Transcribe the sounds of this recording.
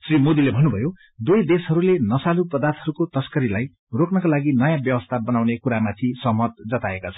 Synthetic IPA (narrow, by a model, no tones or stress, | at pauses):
srimod̪ilebʱʌnːubʱʌjo | d̪ujd̪esɦʌɾulenʌsalupʌd̪art̪ʰɦʌɾukot̪ʌskʌɾilaj | roknʌkalaɡinʌjãbjʌwʌst̪ʰabʌnawnekuɾamat̪ʰisʌɦmʌt̪̚d͡zʌt̪aekat͡sʰʌn